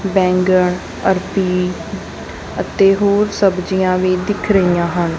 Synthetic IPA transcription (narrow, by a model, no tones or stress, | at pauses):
bɛ̃ːŋɡəɳ | əɾpiː | ət̪eːɦoːɾsəbd͡ʒijãːʋiːd̪ɪkʰɾəijãːɦən